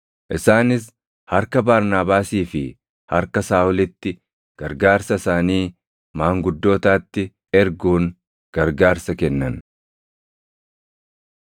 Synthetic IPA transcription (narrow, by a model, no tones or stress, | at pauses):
ʔɪsaːnɪs̬ | hɐɾkɐbaːɾnaːbaːsiːfɪ | hɐɾkɐsaːʔʊlɪt̪ːɪ | ɡ̥ɐɾɡaːɾsɐsaːniː | maːŋɡʊd̪ːo̞ːt̪aːt̪ːɪ | ɛɾɡuːŋ | ɡ̥ɐɾɡaːɾsɐkɛnːɐn